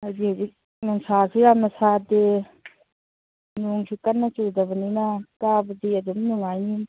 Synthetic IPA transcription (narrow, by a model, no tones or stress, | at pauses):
hazihazik̚ | nuŋsasʰiɾamnasad̪e | nuŋsʰikɐnːat͡ʃudabəninakabəd̪iɐdumnuŋajni